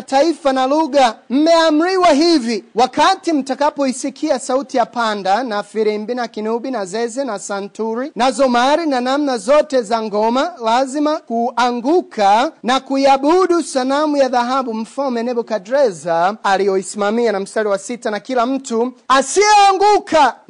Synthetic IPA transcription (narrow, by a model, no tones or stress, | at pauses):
taifanaluɠam̩mɛam̩ɾiwaɦiviwakatim̩takapɔisikʰiasautijapandanafiɾimbinakinuɓinazɛzɛnasantuɾinazɔmaɾinanamnazɔtɛzaŋɡɔmalazimakuʔaŋɡukʰanakuiaɓuɗusalamujaðaɦaɓum̩fɔmɛnɛɓɔkadɾɛzaːlijɔisimamianam̩staliwasitanakilam̩tuasiɛaŋɡuka